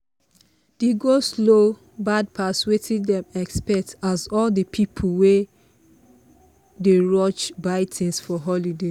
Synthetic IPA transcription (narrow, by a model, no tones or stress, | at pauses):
d̥eɡoslo | bad̚pʰaswetʰiddɛ̃mɛkspɛtazɔldəpʰipʰl̩we | deɹɔt͡ʃbaɪtʰĩnsfɔɦɔlide